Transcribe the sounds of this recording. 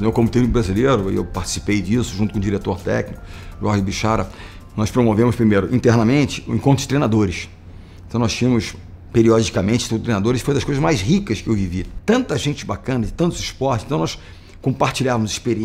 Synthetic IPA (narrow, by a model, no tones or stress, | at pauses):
õwkõmut̪eunikbɾazilejɾʊɪ̰ḛwpaɾt͡ʃi̥si̥pejd͡ʒisʊʒũt̪ʊkõd͡ʒiɾet̪oɾt̪ɛ̰knikʊʒuaɾɡʊbiʃaɾɐ | nɔspɾomovẽmʊspɾimejɾʊʔĩt̪eɾnɐmẽnt͡ʃɪ̥ẽkõnt̪ʊ̥ɪt̪ɾejnad̪oɾɪs | ent̪ɐ̃w̪̃ɔst͡ʃĩɐ̃mʊs | peɾiɔd͡ʒikɐmẽnt͡ʃɪt̪t̪ɾejnad̪oɾɪsfojd̪ɐsʃkojzɐzmajzɦikɐskɪewvivit̪ɐ̃nt̪ɐʒẽnt͡ʃɪbakɐ̃nɐd͡ʒɪt̪ɐ̃nt̪ʊzɪspɔtt͡ʃɪsẽt̪w̃nɔs | kõpaɾt͡ʃiʎavɐmʊzɪʃpeɾi